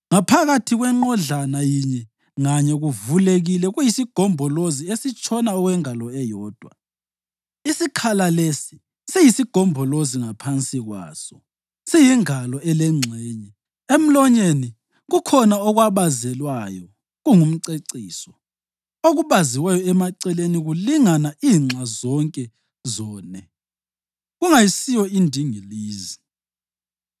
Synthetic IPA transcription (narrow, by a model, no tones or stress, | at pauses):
ŋapʰaɣatʰiɣwɛŋ͡ǃɔɮanajiɲɛ | ŋaɲɛɣuvuleɣilɛɣujisiɡ̥ʱɔmbʱɔloziesit͡ʃʼʰɔnaɔɣwɛŋalɔɛjɔːd̥ʱwa̰ | isikʰalalesi̥ | sejisiɡ̥ʱɔmbʱɔloziŋapʰant͡sʼiɣwa̰ːsɔ | sijiŋalɔɛlɛŋ͡ǀʱɛːɲɛ | em̩lɔɲeni | ɣukʰɔnaɔɣwaβazɛlwajɔ | ɣuŋum̩ǀeǀiːsɔ | oɣuβaziwɛjɔɛmaǀɛleniɣuliŋanaiːŋ͡ǀʱazɔŋkʼɛ | zɔːnɛ | ɣuŋajisijɔindʱiŋiliːzi